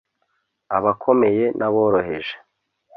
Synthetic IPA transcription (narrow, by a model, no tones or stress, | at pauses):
aβakʰo̞me̞je̞nʔaβoːɾoɦe̞̰ʒe̥